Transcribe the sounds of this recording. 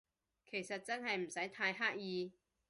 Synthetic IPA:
kʰe˨˩jsɐ˨t̚t͡sɐ˥nɦɐ˨jm̩˨˩sɐ˨˥jt̪ʰaː˧jɦaː˥k̚jiː˧

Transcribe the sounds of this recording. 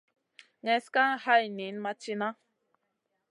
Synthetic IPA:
ɲɛ̃˨˦ska˦ŋha˦jnĩ˨˦nma˧t͡ʃi˦˧nã˦

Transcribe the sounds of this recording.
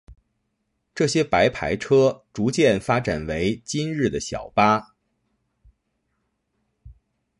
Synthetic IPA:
ʈ͡ʂɤ˥˩ɕjɛ˥pa˧˥ɪpʰa̰˧˥ɪʈ͡ʂʰɤ˥ʈ͡ʂu˧˥t͡ɕjɛ˥˩nfa˥ʈ͡ʂa˨˩nwe˧˥ɪt͡ɕi˥nɻɻ̩˥˩d̪ə˩ɕjɑ̰˨˩ʊpa˥

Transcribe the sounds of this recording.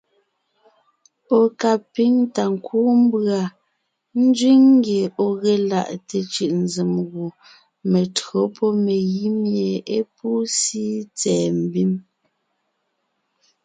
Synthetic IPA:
o˨ka˨pi˦ŋta˨ŋ̩˨kuː˦m̩˦bɰa˨ | n̩˦d͡ʒɥi˦ŋŋ˦ɡje˨o˨ɣɛ˦la̰˦˨ʔte˨t͡ʃɯ˨ʔn̩˦d͡zi˨mɣu˨ | me˨tɰo˨˦pʰɔ˦me˨ɣi˦mje˨e˦pu˦si˦t͡sɛː˨m̩˨bi˦m

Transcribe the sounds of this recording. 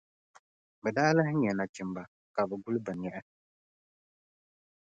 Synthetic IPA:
bɛ˨daː˦la˦hɪ˦ɲɛ˨na˨t͡ʃɪ˨mba˨ | ka˨bɛ˨ɡu˦lbɨ˨ɲɛ˦ʔɛ˦

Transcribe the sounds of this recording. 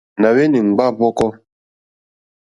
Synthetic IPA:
na˨we˦ni˨ŋ͡m̩˨ɡ͡ba˦vɔ˦kɔ˦

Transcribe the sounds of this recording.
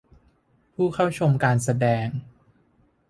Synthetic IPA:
pʰuː˥˩kʰa˥˩wt͡ɕʰo˧mkaː˧ns̬a˧dɛː˧ŋ

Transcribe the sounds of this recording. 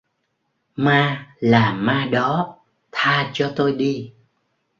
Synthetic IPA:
maː˧laː˨˩maː˧ɗɔ˨˦ | t̪ʰaː˧t͡ɕɔ˧t̪o˧jɗi˧

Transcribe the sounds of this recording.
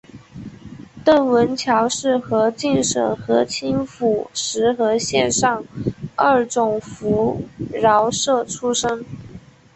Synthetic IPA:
t̪ə˥˩nwə˧˥nt͡ɕʰjɑ˧˥ʊʂɻ̩˥˩xɤ˧˥t͡ɕi˥˩nʂə̰˨˩ŋxɤ˧˥t͡ɕʰi˥nfu˨˩ʂɻ̩˧˥xɤ˧˥ɕjɛ˥˧nʂɑ˥˧ŋə˥˩ʈ͡ʂʊ˨˩ŋfu˧˥ɻɑ˧˥ʊʂɤ˥˩ʈ͡ʂʰu˥ʂɤ˥ŋ

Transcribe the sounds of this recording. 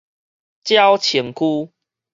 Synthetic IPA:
t͡ɕja˦ʊt͡ɕʰi˨˦ŋkʰu˦

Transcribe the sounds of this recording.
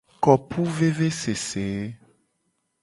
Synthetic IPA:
kɔ˨pʰu˦ve˦ve˦se˨se˨e˦

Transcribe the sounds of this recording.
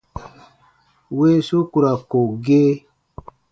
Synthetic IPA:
we˦su˦ku˨ɾa˨ko˨ɡe˦

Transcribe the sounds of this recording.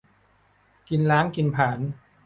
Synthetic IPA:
ki˧nlaː˦˥ŋki˧npʰaː˩˦n

